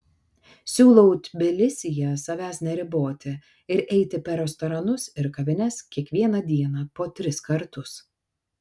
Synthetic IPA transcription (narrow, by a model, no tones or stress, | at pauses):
sʲuːlˠɔʊt̪ʲbʲɪlʲɪsʲɪjɛsɐʋʲæːsʲnʲɛɾʲɪboːt̪ʲɪ | ɪɾʔɛɪt̪ʲɪpʲɛɾʲɛst̪ɐɾɐnʊsɪɾkɐʋʲɪnʲɛskʲiɛkʋʲiɛnɐd̪ʲiɛnɐpoːt̪ʲɾʲɪskɐɾt̪ʊs